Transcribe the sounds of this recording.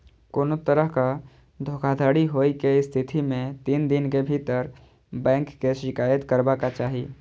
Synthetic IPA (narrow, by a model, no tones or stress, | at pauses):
koːnot̪əɾəɦka | d̪ʱokʰad̪ʱaɽiɦojkeɪst̪ʰit̪ʰimẽt̪ind̪inkebʱit̪əɾ | bɛ̃ŋkːeʃɪkaːjət̪kəɾbakat͡ʃaːɦi